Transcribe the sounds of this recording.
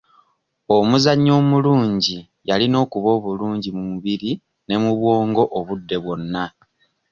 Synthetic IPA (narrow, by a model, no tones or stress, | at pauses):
omuzaɲːo̞ːmuluːɲɟi | jalino̞ːkuβo̞ːβuluːɲɟimumuβiɾi | ne̞muβwo̞ːŋɡo̞ʔoβudːe̞βwo̞nːa